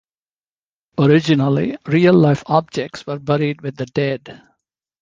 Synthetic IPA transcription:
ɔɾɪd͡ʒɪnəlḭɾiːəlːaɪfɔb̚d͡ʒɛk̚ʈsʋəɾbɛɾiɖʋɪd̪ːəɖɛɖ

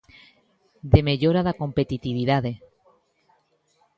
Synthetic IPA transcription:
d̪e̞me̞ʎoɾaðako̞mpe̞t̪it̪iβiðaðe̞

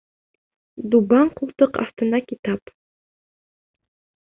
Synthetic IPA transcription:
d̪ubɑɴqulˠt̪ɤqɑ̰ft̪ɤ̆nɑkit̪ɑp

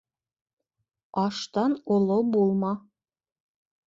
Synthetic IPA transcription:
ɑʃt̪ɑnolˠobulˠmɑ

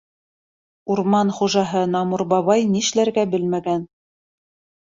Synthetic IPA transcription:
uɾmɑnχuʒɑɦɤnɑmuɾbɑβɑjniʃlæɾɡæbɘlmæɡæn

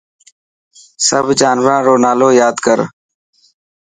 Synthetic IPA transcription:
səbʱd͡ʒaːnʋɾãːɾoːnaːloːjaːd̪kəɾ

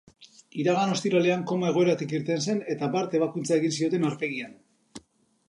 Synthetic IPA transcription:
iɾaɣ̞ano̞st̪iɾale̞aŋko̞mae̞ɣ̞o̞e̞ɾat̪ikiɾt̪e̞nse̞ne̞t̪apaɾt̪e̞β̞akunt͡sae̞ɣ̞insio̞t̪e̞naɾpe̞ɣian

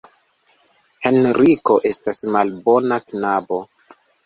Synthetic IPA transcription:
he̞nɾiko̞ʔe̞stasmalbo̞naknabo̞

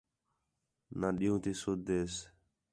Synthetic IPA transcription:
nãːɗiːũːt̪iːsʊd̪eːs

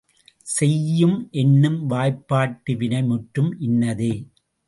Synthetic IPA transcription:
sɛjːɯmʔɛnːɯmʋaːjpːaːʈːɯʋɪnɐɪmʊʈɾɯmʔɪnːɐðeː

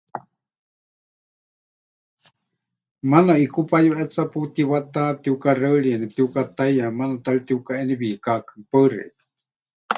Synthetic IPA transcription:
manaikupajuʔɛt͡saput̪iβat̪at̪iukarəɺiɛnip̚t̪iukat̪ajjamanat̪alit̪iukaeniβiːkakɨ̥pərḛʔ

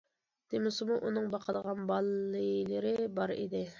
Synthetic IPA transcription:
d̪̥emɪsɨmuʔunɨŋbɑqʰəd̪əʁɑnbɑlˠlːɨjlˠɨɾɪbɑɾḭd̪ɪ

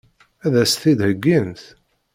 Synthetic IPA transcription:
æðæsθid̪həɡːinθ

